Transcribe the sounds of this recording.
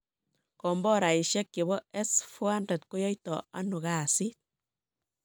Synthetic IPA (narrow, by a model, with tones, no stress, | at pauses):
kɔ˨mbɔ˦ɾa˨i˨ʃɛ˦kke˨bɔ˦ɛ˦sfwa˦ndɛ˨tko˦jɔ˦jtɔ˨a˦nu˨ka˦˨si˦t̚